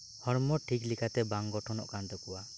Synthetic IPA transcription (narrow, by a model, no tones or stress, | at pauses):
hɔɾmɔʈʰiklikʰat̪ɛbaŋɡɔʈʰɔnɔ̰ʔkant̪ɔkɔwa